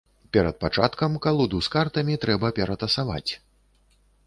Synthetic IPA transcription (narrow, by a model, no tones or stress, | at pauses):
pʲɛɾɐt̪̚pat͡ʂat̪kɐmkalˠud̪uskart̪ɐmʲit̪ɾɛbɐpʲɛɾɐt̪ɐsava̰t͡sʲ